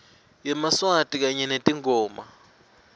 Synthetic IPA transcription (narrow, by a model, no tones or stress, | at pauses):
jɛmaswatʼik̬aɲɛnetʼiŋʱɔːma